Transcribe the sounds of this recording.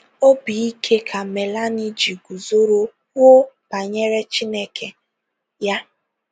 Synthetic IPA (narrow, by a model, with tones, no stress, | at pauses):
o˦bi˨i˦kʰe˦kʰa˨me˨la˦ni˦d͡ʒi˨ɡu˨zo˦ɾo˦ | wʊ˦ | b̥a˨ɲe˦ɾe˦t͡ʃi˦ne˦ke˨ | ja˦